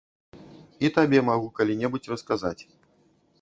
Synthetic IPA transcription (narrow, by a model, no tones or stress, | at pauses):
it̪abʲɛmaɣukalʲinʲɛbut͡sʲrɨskazat͡sʲ